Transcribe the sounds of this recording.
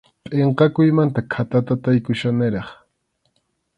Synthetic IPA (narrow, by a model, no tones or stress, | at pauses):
pʼeɴqɑkʊjmant̪akʰat̪at̪at̪ajkʊʃanɪɾɑχ